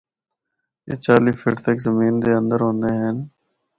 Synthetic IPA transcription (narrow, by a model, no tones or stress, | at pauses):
ḛt͡ʃaːliːpʰɪ̰ʈt̪əkzəmiːnd̪eːə̃nd̪əɾɦõːnd̪eːɦɛːn